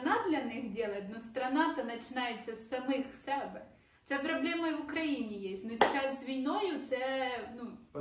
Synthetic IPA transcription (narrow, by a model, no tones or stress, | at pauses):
nad̪lʲɐnɪxdʲɛlˠɐt̪ʲnɔst̪ɾɐnɑt̪ɐnɐt͡ʃɪnɑjet͡sʲːɐsːɐmɪxsɛbɛ | t̪sɛpɾɐblʲɛmɐiʋʊkɾɐjinʲijesʲnʊsʲt͡ʃaszʲʋʲijnɔjʊt̪sɛnu